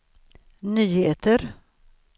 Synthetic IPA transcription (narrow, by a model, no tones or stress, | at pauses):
nyːheːt̪əɾ